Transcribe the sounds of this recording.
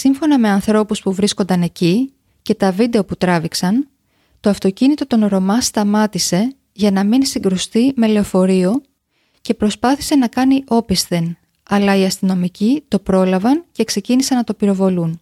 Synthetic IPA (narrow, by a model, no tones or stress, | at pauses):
siɱfo̞nɐme̞ɐnθɾo̞puspuvɾisko̞nd̪ɐne̞ci | ce̞t̪ɐvid̪e̞o̞put̪ɾɐviksɐn | t̪o̞ɐft̪o̞cinit̪o̞t̪o̞nɾo̞mɐst̪ɐmɐt̪ise̞ | ʝɐnɐminsiŋɡɾust̪ime̞le̞ofo̞ɾio̞ | ce̞pɾo̞spɐθi̥se̞nɐkɐniʔo̞pist̪e̞n | ɐlɐiɐst̪ino̞micit̪o̞pɾo̞lɐvɐnce̞kse̞cinisɐnɐt̪o̞piɾo̞vo̞lun